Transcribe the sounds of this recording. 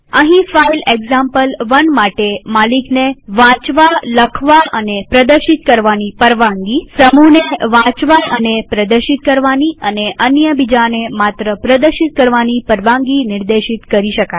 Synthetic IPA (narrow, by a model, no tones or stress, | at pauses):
əɦĩfaileɡzãmpəlʋənmaʈemalikneʋãt͡ʃʋaləkʰʋaʔənepɾəd̪əɾʃit̪kəɾʋanipəɾʋãŋɡisəmuneʋãt͡ʃʋaənepɾəd̪əɾʃit̪̚kəɾʋaniəneʔənjəbid͡ʒanemat̪ɾəpɾəd̪əɾʃit̪̚kəɾʋanipəɾʋãŋɡinɪɾd̪eʃit̪kəɾiʃəka